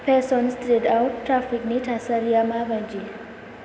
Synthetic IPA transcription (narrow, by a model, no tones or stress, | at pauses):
pʰesɔnstɾiʈawʈːɾapʰikniʈʰasaɾijamabʱʌnd͡ʒi